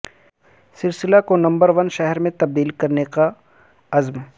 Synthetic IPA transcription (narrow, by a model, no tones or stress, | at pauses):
sɪlsɪlakonɐ̃mbəɾʋɐnʃɛɦɛɾmẽt̪ɐb̚d̪iːlkɐɾneka | ɐzm